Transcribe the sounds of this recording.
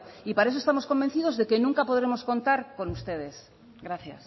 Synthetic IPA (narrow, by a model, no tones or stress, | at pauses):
ipaɾae̞s̬oest̪amo̞sko̞mbe̞nθið̞o̞zðe̞kenũŋkapo̞ð̞ɾe̞mo̞sko̞nt̪aɾko̞nust̪e̞ð̞e̞s | ɣɾaθja̰s